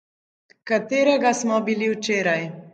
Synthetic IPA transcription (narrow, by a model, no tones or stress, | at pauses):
kat̪eːɾɛɡasmɔbiliwt͡ʃeːɾaj